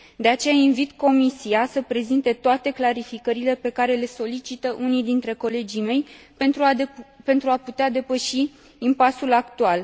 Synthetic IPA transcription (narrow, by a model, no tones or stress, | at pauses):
d̪e̞at͡ʃe̞jainvit̪ko̞misiasəpɾe̞zint̪e̞t̪oat̪e̞klaɾifikəɾile̞pe̞kaɾe̞le̞so̞lit͡ʃit̪əʔunid̪int̪ɾe̞ko̞le̞d͡ʒijme̞j̪ | pe̞nt̪ɾuaput̪ead̪e̞pəʃiː | mpasulakt̪ual